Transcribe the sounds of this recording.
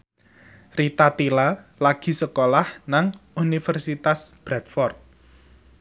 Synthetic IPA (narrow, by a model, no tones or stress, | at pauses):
rit̪at̪ilalaɡ̥i̤səkolahnaŋunifərsit̪asb̥ɾɛt̪fɔrt̪̚